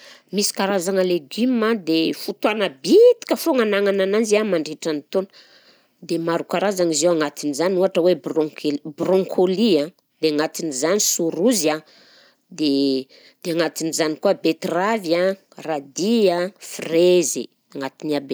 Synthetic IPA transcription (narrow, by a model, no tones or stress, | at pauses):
misi̥kaɾazaŋəleɡimad̪efut̪wanəbit̪i̥kəfoŋanaŋanananziamaɳɖ͡ʐeʈ͡ʂanit̪on̥ | d̪emaɾukaɾazaŋizewaŋat̪inizanuaʈ͡ʂəwebrokelbrɔ̃ŋkʰoliã | d̪̥eaŋat̪inizanisuɾuza | d̪e | d̪̥eaŋat̪inizanikuabet̪ravja | rad̪iafreze | aŋat̪iniabe